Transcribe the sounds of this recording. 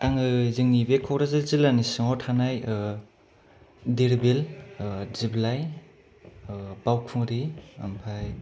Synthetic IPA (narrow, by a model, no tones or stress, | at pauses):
aŋɯzɯŋnibekʰɔwɾazalzilanisɯŋɔtʰanaj | diɾbel | ziblaj | bawkʰuŋɾia̰mpʰaj